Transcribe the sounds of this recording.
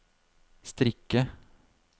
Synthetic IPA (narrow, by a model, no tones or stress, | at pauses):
st̪ɾɪkːə